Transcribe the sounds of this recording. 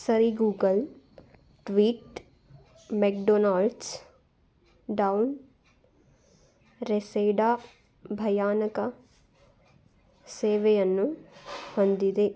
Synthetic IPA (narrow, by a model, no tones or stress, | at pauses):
səɾiɡuːɡəl | ʈʋiːʈ | mɛːk̚ɖoːnaːlɖs | ɖaun | ɾeseːɖaː | bʱɐjaːnəka | seːʋeɐnːũhɐ̃nd̪id̪eː